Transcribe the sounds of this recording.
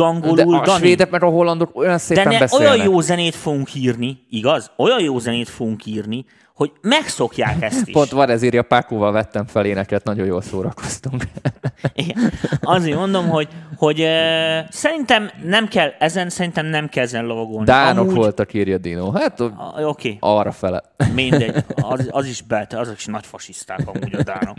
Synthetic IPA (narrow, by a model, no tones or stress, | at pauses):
ɒŋɡoluːlʋeːd̪ɛkmɛɡɒɦo̞lːɒnd̪okojɒnseːd̪ɛnɛɛbɛsoeːjɒjjoːzɛneːt̪fo̞ɡuŋkʰiːrniiɡɒzojɒjjoːzɛneːt̪foɡuŋkiːrni | ho̞ɟmɛkso̞kja̰ːkɛst̪ḭpo̞nt̪ʋɒɾɛziːɾɒpakovɒlvɛt̪ːɛɱfɛleːnɛkɛt̪nɒɟõ̞joːlsoːɾɒko̞̥st̪uŋk | iɡɛɒzeːmo̞nd̪o̞mɦo̞ɟho̞ɟ | sɛɾint̪ɛmnɛmkɛlɛzɛnsɛɾint̪ɛmnɛmkɛlɛzɛnlɒvɒɡo̞lnd̪iaːnmo̞ukːʋo̞lt̪ɒkiːrjɒd̪inoːɦaːt̪o̞kʰeːɒɾɒfɛlɛ̰ | mind̪ɛɒzɒziʃbɛlt̪ɛɒzɒi̥ʃnɒcfɒʃiʃt̪aːbɒ̰mːɟɒd̪a̰ːno̞̰k